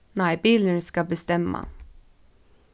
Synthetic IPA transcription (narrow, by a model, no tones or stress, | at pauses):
næɪbilənskɑbəst̪ɛmːa̰